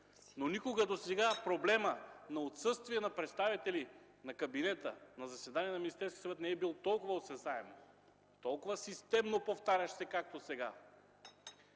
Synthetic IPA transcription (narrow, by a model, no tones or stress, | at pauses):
nonikoɡəd̪osɛɡapɾoblɛmənɐot̪sɤst̪viɛnɐpɾɛt̪st̪avit̪ɛli | nɐkɐbinɛt̪ə̰nɐzɐsɛd̪aniɛnɐminist̪ɛɾskʲi̥sɐvɛt̪nɛɛbilˠt̪ɔlˠkʊvəosɛzaɛm | t̪ɔlˠkʊvəsist̪ɛmnopoft̪aɾʲɐʃsɛkak̚t̪osɛɡa